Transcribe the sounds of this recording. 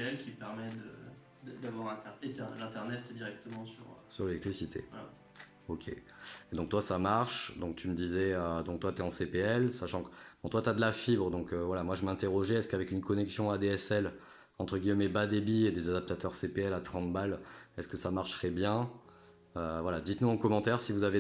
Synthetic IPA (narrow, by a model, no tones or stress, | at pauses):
ɛlkʲipɛʁmɛd̪ə | d̪d̪avwaʁɛ̃t̪ɛʁet̪ɛlɛ̃t̪ɛʁnɛt̪d̪iʁɛk̚t̪əmɑ̃syʁsyʁlelɛk̚t̪χisit̪ʰḛla | okʲʰḛ | ed̪ɔ̃ŋk̚t̪wasamaʁʃd̪ɔ̃k̚t̪ʰyməd̪izɛød̪ɔ̃k̚t̪wat̪ɛɑ̃sepeɛlsaʃɑ̃kəbɔ̃t̪wat̪yad̪əlafibʁəd̪ɔ̃køvwalamwaʒəmɛ̃t̪eʁɔʒɛɛskavɛkynkɔnɛksjɔ̃ad̪eɛsɛl | ɑ̃t̪χəɡʲijmɛmebad̪ebied̪ezad̪ap̚t̪at̪œʁsepeɛlat̪χɑ̃t̪balɛskəsamaʁʃʁɛbjɛ̃ | øvwalad̪it̪nuɑ̃kɔmɑ̃t̪ɛʁsivuzave